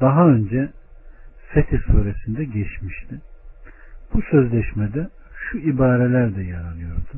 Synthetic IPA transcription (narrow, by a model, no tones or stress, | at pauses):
d̪̥aɦaø̞nd͡ʒɛ | set̪ʰiɾsuːɾesind̪ɛɟɛt͡ʃmiʃt̪ʰi | b̥usø̞zlʲɛʃmɛd̪ɛ | ʃuibaːɾelʲæɾd̪ɛjaɾalˠɯjo̞ɾd̪u